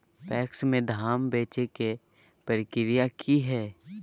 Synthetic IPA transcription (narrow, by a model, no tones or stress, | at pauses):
pɛːksmẽd̪ʱaːmbeːt͡ʃeke | pəɾɪkɪɾijakʰiɦɛː